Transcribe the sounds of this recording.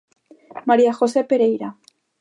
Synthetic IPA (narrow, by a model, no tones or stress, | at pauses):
maɾiaxosepeɾejɾa